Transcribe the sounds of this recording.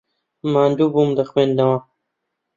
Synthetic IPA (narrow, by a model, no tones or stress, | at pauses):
mãːnd̪ubumd̪ɐxwẽːnd̪ɐwãː